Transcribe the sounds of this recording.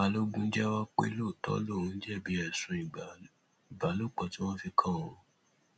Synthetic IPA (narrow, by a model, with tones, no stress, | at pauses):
a˧lo˦ɡũ˦d͡ʒɛ˦wa˦k͡pḛ˦lo˦˨tɔ̰˦lo˦˨ũ˨˧˦d͡ʒɛ˦˨bi˨˦ɛ˨sũ˨i˨ | i˨ba˨˦lo˦˨k͡pɔ˨ti˦w̃ɔ̃˦fi˧kʰã˦˨õ˨